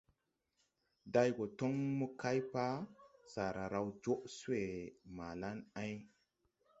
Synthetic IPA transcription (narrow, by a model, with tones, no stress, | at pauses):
da˧jɡo˨to˦ŋmə˦ka˦jpa˦sa˨ɾa˨ɾa˨wd͡ʒo˦ʔsu˦we˨ma˨la˦na˦j